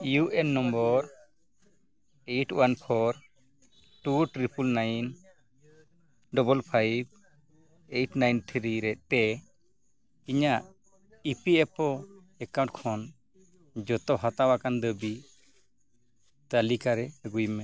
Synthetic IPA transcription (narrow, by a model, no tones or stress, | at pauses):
juʔɛnːɔmbɔɾ | ejʈwanpʰɔɾ | ʈuʈɾipulnajn | ɖɔbɔlpʰajb̚ | ejʈnajnt̪ʰɾiɾɛʔ̚t̪ɛ | iɲaʔ | ipiɛpɔ | ɛkãw̃ʈkʰɔn | d͡ʒɔt̪ɔɦat̪awakand̪əbi | t̪alikaɾɛɡujmɛ